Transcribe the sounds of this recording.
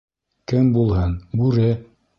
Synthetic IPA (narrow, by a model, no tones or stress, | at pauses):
kɘmbulˠɦɤnbʉɾɘ